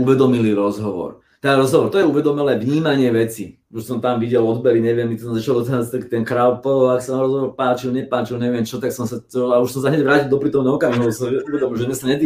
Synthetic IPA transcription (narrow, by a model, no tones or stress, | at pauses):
uʋɛd̪ɔmiliɾɔzɦɔʋɔ̰ɾ | t̪ɛɾɔzɦɔʋɔɾt̪ɔjɛuʋɛd̪ɔmɛlɛːʋɲiːmaɲɪɛʋɛt͡sḭ | uʃsɔmt̪amʋiɟɛlɔd̪bɛɾiɲɛʋɪɛmit̪sɔmzat͡ʃald̪ɔt̪ɦat͡st̪akt̪ɛnkɾaʊpɔaksat̪aːmɾɔzɦɔʋɔɾpaːt͡ʃilɲɛpaːt͡ʃilɲɛʋɪɛmt͡ʃɔt̪aksɔmsatɔlauʃsɔmsaɦɲɛɟʋɾaːcilˠd̪ɔpɾiːt̪ɔmnɛɦɔkamiɦɔsɔmɛuʋɛd̪ɔmilˠʒɛzmɛsaɲɛd̪i